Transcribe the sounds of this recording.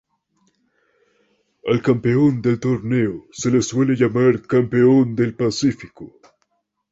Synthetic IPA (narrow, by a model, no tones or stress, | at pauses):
elkampeond̪elt̪oɾneoselesweleʎamaɾkampeond̪elpasifiko̰